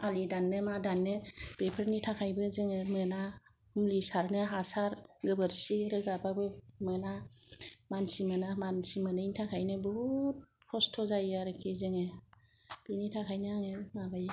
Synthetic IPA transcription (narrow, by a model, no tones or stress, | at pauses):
alidanːɯmadanːɯb̥epʰeɾnitʰakʰajbɯzɯŋɯmɯna | humlisaɾnɯɦasaɾɡɯbɯɾsiɾɯɡababɯmɯna | mansimɯnamansimɯnɯintʰakʰajnɯbut̚ | kʰɔstʰɔzajaɾɯkʰizɯŋe | b̥initʰakʰajnɯaŋemabaj